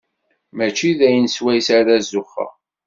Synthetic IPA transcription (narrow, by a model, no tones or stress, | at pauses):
mæt͡ʃːiðæjənswæjsaɾðæzʊχɑ̰